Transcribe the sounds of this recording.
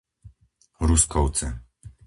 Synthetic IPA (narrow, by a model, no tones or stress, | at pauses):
ɾuskʰɔw̪t͡sɛ